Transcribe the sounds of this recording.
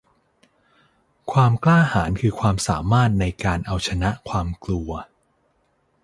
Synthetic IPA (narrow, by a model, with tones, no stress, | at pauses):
kʰwaː˧mklaː˥˩haː˩˦nkʰɯː˧kʰwaː˧msaː˩˦maː˥˩t̪̚na˧jkaː˧nʔa˧wt͡ɕʰa˧na˦˥ʔkʰwaː˧mklu˧ɐ